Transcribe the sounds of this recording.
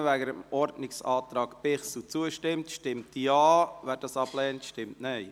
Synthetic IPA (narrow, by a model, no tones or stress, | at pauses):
ʋæɡəɾəmʔɔɾdnɪksɑːt̪ɾɑːkpɪχs̩t͡suəʃtɪmtʃtɪmtjɑːʋæːɾd̥ɑːsɑb̥lɛːntʃtɪmtnɛɪ